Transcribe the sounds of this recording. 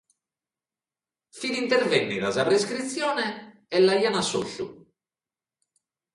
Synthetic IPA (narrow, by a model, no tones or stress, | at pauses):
finint̪ɛɾvɛnːiðazapɾeskɾit̪sːjɔːnɛ | ɛlːaianaso̰ɬṵ